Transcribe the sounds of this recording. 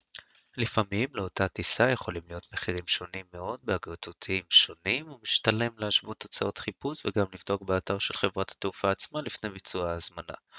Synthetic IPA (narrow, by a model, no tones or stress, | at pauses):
lifamimleo̞tatisaje̞χo̞limlijo̞t̪meχiʁ̞imʃo̞nimːe̞o̞d̪̚beaɡʁot̪ut̪ʰiimʃo̞nimumiʃtale̞mleaʃvut̪o̞t͡sao̞t̪χipusveɡamlivd̪okbeat̪aʁʃelχe̞vʁathḁt̪ufaːt͡smalifne̞jbit͡suaːzmana̰